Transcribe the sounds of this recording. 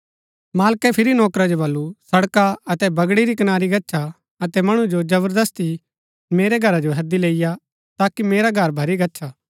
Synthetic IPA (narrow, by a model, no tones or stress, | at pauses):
maːlkɛpʰɪɾinɔːkɾad͡ʒobɐlːusɐɽkaɐt̪ɛbɐɡɽiɾikɐnaːɾiɡɐtːʃʰa | ɐt̪ɛmɐɽ̃ud͡ʒod͡ʒɐbəɾd̪ɐst̪i | meːɾɛɡʱɐɾad͡ʒoɦɐd̪ileːɪja | t̪aːkimeːɾaɡʱɐɾbʱɐɾiɡɐtːʃʰaː